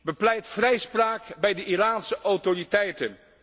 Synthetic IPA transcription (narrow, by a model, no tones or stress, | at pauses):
bəplɛjtfrɛjspraːkbɛjdəʔiraːnsəʔɔwtoritɛjtən